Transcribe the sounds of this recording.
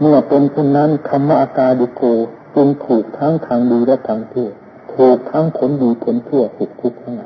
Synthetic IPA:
mɯ˧˩ɐp̪e˧nt̪ʰu˥˩nːa˦˥˨nkʰa˧mːa˦˥˩ʔa˧kaː˧di˧koː˧ | t͡ɕɯ˧ŋt̪ʰuː˨˩k̚t̪ʰa˦˥ŋt̪ʰaː˧ŋduː˧lɛ˦˥˩wt̪ʰaː˧ŋt̪ʰi˥˩t̪ | t̪ʰuː˨˩k̚t̪ʰa˦˥ŋkʰo˩˦˥ndiː˧kʰo˧˩˦nt̪ʰɯ˥˩ɐt̪̚sʰu˨˩k̚t̪ʰu˦˥˩k̚t̪ʰa˦˥˩ŋla˧˦

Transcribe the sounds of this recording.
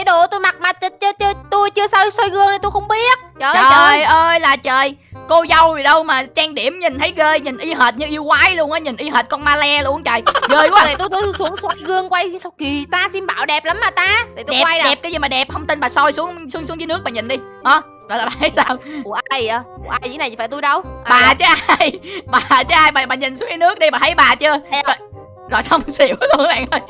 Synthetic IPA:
ɗu˧˩˨t̪u˧jma˨˩t̚maː˨˩t͡ɕt͡ɕːt̪u˧jt͡ɕɨ˧əsɔ˧jsɔ˧jɣɨ˧əŋnə˨˩t̪u˧jxə˧wŋ͡mɓi˦˥ət̚t͡ɕəː˨əː˨˩˧jʔəː˧jlaː˨˩t͡ɕəː˨˩jko˧zə˧wvi˨˩ɗə˧wmaː˨˩t͡ɕaː˧ŋɗi˧˩əmɲi˨˩n̟t̪ʰə˨˦jɣəː˧jɲi˨˩n̟ʔi˧ɦəː˨˩t̚ɲɨ˧ʔi˧wkwaː˨˦jlu˧əŋʔəː˨˦jɲi˨˩nʔi˧ɦəː˨˩t̚kɔ˧nmaː˧lɛ˧lu˧əŋt͡ɕəː˨˩jɣəː˧˩jkwaː˨˧˦ə˨˩t̪u˧jt̪ʰu˧˦˧su˨˦əŋswɔ˧jɣɨ˧əŋkwa˧jski˨˩t̪aː˧si˧mɓa̰ː˧˨wɗɛ˨˩p̚la˨˦mːaː˨˩t̪aː˧t̪i˨˩t̪u˧ɗɛ˨˧˩wa˧ɗɛ˨˩p̚kaː˨˦jzi˨˩maː˨˩ɗɛ˨˩p̚hə˧wŋ͡mt̪i˧nɓaː˨˩sɔ˧jsu˨˦əŋsu˨˦əŋsu˨˦˥ŋzɨ˨˦nɨ˦˥k̚ɓaː˨˩ɲi˨˩n̟ɗi˧ɗɔ˨˦ | zɔ˨˩laː˨˩ɓaː˨˩˨jsaː˧wʔaː˧ju˧˩ʔaː˧jɨ˧˦na˨˩˨faː˧˩t̪u˧jɗə˧wɓaː˨˩t͡ɕə˨˦ʔa˧jɓaː˨˩t͡ɕəː˨˦ʔaː˧jɓaː˨˩ɓaː˨˩ɲi˨˩n̟su˨˦əŋzɨ˧˦nɨ˦˥ək̚ɗi˧ɓaː˨˩t̪ʰə˨˦jɓaː˨˩t͡ɕɨ˧əzo˨˩j | zo̰˨˩jsə˧wŋ͡msi˧˩əwskːɓa̰ː˧˨ŋʔəː˧j

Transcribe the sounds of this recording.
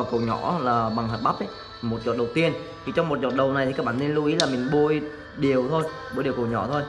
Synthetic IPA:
kə˨˩wɲɔ̰˧˩˥laː˨˩ɓa˨˩ŋɦəː˨˩t̚ɓa˦˥ʔə˨˦j | mo˨˩t̚zɔ̰˨t̚ɗə˨˩wt̪i˧ənt̪ʰi˨˩t͡ɕɔ˧wŋ͡mmo˨˩t̚zɔ̰˨˩t̚ɗə˨˩wna˨˩jt̪ʰi˨˩kːaː˦˥k̚ɓaː˧˨ne˧nlu˧ʔi˨˦laː˨˩mï˨˩ŋɓu˧əj | ɗi˨˩əwt̪ʰo˧j | ɓu˧˥jɗi˨˩wkə˨˩wɲɔ̰˧˩˥t̪ʰo˧j

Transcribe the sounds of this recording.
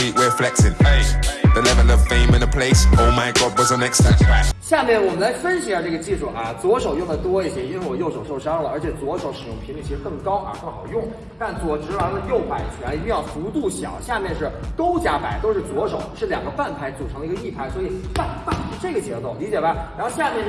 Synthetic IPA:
iʔwɪflɛk̚sɪ̃npʰeɪðəlɛvə̃nəv̥fẽɪ̃mɪ̃nəpʰl̥eɪskʰoʊlˠmaɪɡɔbwəzə̃nɛkstãntʰɹakɕja˥˧mjɛ˥˩nwɔ˨˩mə˦nla˧˥ɪfə˥nɕi˥ə˥˩ʈ͡ʂɤ˥˩ɡə˩t͡ɕi˥˧ʈ͡ʂu˥˩ʔa˧t͡swɔ˧˥ʂo˨˩ʊjʊ˥˩ŋd̪ə˩t̪wɔ˥i˥˩ɕʰjɛ˧˥˩i˥wwɔ˨˩jo˥˩ʊʂo˨˩ʊʂo˥˩ʊʂɑ˥ŋlə˨ə˞˧˥t͡ɕʰjɛ˨˩t͡swɔ˧˥ʂo˧˥ʊʂɻ̩˨˩jʊ̰˥˩ŋpʰi˧˥ŋli˨˩t͡ɕʰi˧˥ʂɻ̩˥˧kɤ˥˩ŋkɑ˥ʊʔa̰˧kɤ˥˩ŋxɑ˨˩ʊjʊ˥˩ŋ | t̪a˥˧nt͡swɔ˧˥˩ʈ͡ʂɻ̩˧˥wa˧˥lə˧jo˥˩ʊpa˨˩ɪ˨˩t͡ɕʰi˧˥t̪i˥˧ŋjɑ˥˩ʊfu˧˥t̪u˥˩ɕjɑ̰˨˩˦ʊɕja˥˧mjɛ˥˧nʂɻ̩˥˩ko˥ʊt͡ɕja˧˥pa˨˩˦ɪt̪o˥ʊʂɻ̩˥˩t͡swɔ˧˥ʂo˨˩˦ʊʂɻ̩˥˩ljɑ̰˨˩ŋɡə˦pa˥˩npʰa˧˥ɪt͡su˨˩ʈ͡ʂʰɤ˧˥ŋd̪ə˧˥ɡə˧i˥˩pʰa˧˥ɪswɔ˥i˨˩pa˥˩nfa˥˩nʂ̩˥˧ʈ͡ʂɤ˥˩ɡə˩t͡ɕjɛ˧˥t͡s̪o˥˩ʊli˧˥t͡ɕjɛ˨˩ba˧˦ɻa˧˥nxo˥˧ʊɕja˥˧mjɛ˥˧nʂ

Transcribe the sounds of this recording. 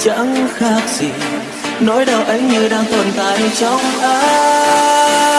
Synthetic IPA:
t͡ɕə̰˧˥nxaː˧˥k̚sḭ˧˩ | nɔ˨˦jɗə˨˩wʔə˨˦jɲɨ˧ɗaː˧ŋt̪ə˨˩nt̪aː˧˨jt͡ɕɔ˧wŋ͡mʔəː˨˧˦

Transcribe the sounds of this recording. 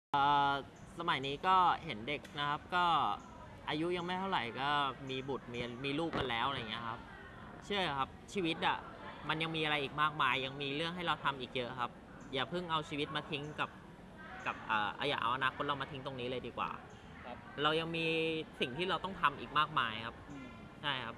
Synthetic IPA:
ʔɤː˨˩ | sa˧ma˨˩jniː˦˥kɔː˥˩he˩˦nde˨˩k̚na˦˥kʰa˦˥p̚kɔː˥˩ | ʔaː˧ju˦˥ʔja˧ŋma˥˩jt̪ʰa˥˩ɾa˨˩jkɔː˥˩miː˧bu˨˩t̪̚miː˧miː˧luː˥˩p̚ka˧nlɛː˦˥wʔa˧ɾjŋi˦˥ɐ˧kʰa˦˥p̚ | t͡ɕʰɯ˥˩əjkʰa˦˥p̚t͡ɕʰiː˧wi˦˥t̪̚ʔa̰˨˩ | ma˧nja˧ŋmiː˧ʔa˧ɾa˧jʔiː˨˩k̚maː˥˩k̚maː˧jːa˧ŋmiː˧ɾɯ˥˩əŋɦa˥˩jɾa˧wt̪ʰa˧mʔiː˨˩k̚jɤ˦˥kʰa˦˥p̚ | jaː˨˩pʰɯ˥˩ŋʔa˧wt͡ɕʰiː˧wi˦˥t̪̚maː˧t̪ʰi˦˥ŋka˨˩p̚ | ka˨˩p̚ʔə̰ː˨˩ʔa̰˧wja̰ː˨˩ʔa̰˧wʔa˧naː˧kʰo˦˥ɾa˧wma˧t̪ʰi˦˥ŋt̪o˧ŋniː˦˥lɤː˧jdiː˧kwa̰ː˨˩ | ɾa˧wja˧ŋmiː˧si˨˩ŋt̪ʰiː˥˩ɾa˧wt̪ɔ˥˩ŋt̪ʰa˧mʔiː˨˩k̚maː˥˩k̚maː˧jkʰa˦˥p̚ | t͡ɕʰa˥˩jkʰa˦˥p̚

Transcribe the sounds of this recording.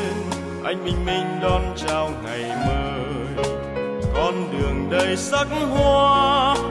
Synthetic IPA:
n | ʔa˧jŋ̟ɓï˧ŋ̟mï˧ŋ̟ɗɔ˧nt͡ɕaː˧wŋa˨˩jməː˧ | j | kɔ˧nɗɨ˨˩əŋɗə˧jsa˦˥k̚hwaː˧

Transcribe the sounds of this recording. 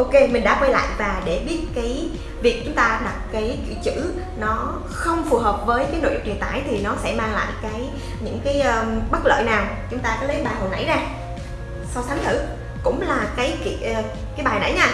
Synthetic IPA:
ʔo˧ke˧mï˨˩ŋɗa̰ː˧˥kwɛ˧jla̰ː˧˨jvaː˨˩ɗe˧˩ɓi˦˥ət̚kaː˨˦j | vi˨˩ək̚t͡ɕʊ˨˦ŋ͡mt̪aː˧ɗa˨˩t̚kaː˨˦jkḭ˧˨wt͡ɕɨ̰˧˥ | nɔ˨˦ | xə˧wŋ͡mfu˨˩ɦəː˨˩p̚vəː˨˦jkaː˨˦jno̰˧˨jk͡p̚ɗi˨˩t̪aː˧˩jt̪ʰi˨˩nɔ˨˦sɛ̰˧˥maː˧ŋla̰ː˧˨jkaː˨˦j | ɲɨ̰˧˥ŋkaː˨˦jʔːɓə˦˥t̚lə̰ː˧˨jnaː˨˩w | t͡ɕʊ˨˦ŋ͡mt̪aː˧kaː˨˦lə˨˦jɓaː˨˩ɦo˨˩na̰˧˥jzaː˧ | sa˧wsa˨˦nt̪ʰɨ̰˧˩ | kʊ̰˧˥ŋ͡mlaː˨˩kaː˨˦jkḭ˧˨ʔ | kaː˨˦jɓaː˨˩jna̰˧˥jɲaː˧

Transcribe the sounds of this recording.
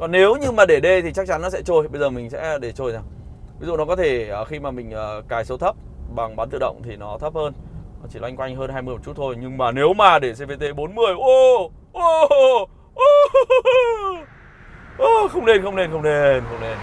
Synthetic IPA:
kɔ˨˩nne˨˦wɲɨ˧maː˨˩ɗe˧˩ɗe˧t̪ʰi˨˩t͡ɕa˦˥k̚t͡ɕa˨˦nːɔ˨˦sɛ̰˧˥t͡ɕo˧jɓə˧jzəː˨˩mï˨˩ŋ̟sɛ̰˧˥ɗe˧˩t͡ɕo˧jzaː˨˩w | vi˨˦zṵ˧˨nɔ˨˦kɔ˨˦t̪ʰe˧˩ʔəː˨˩xi˧maː˨˩mï˨˩ŋ̟ʔəː˨˩kaː˨˩jso˨˦t̪ʰə˦˥p̚ɓa˨˩ŋɓaː˨˦nt̪ɨ̰˧˨ɗə̰˧˨wŋ͡mt̪ʰi˨˩nɔ˨˦t̪ʰə˦˥p̚həː˧n˨˦t͡ɕi˧˩lwa˧jŋkwa˧jŋ̟ɦəː˧nɦaː˧jmɨ˧əmɔ˨˩t͡ɕu˦˥t̪ʰo˧jɲɨ˧ŋmaː˨˩ne˨˦wmaː˨˩ɗe˧˩se˧ve˧t̪e˧˩ɓo˨˦nmɨ˨˩əjʔo˧˩ | ʔo˧ | ʔo˧ | ʔəː˨˩xə˧wŋ͡mne˧nxə˧wŋ͡mne˧nxə˧wŋ͡mne˧nxə˧wŋ͡mne˧n

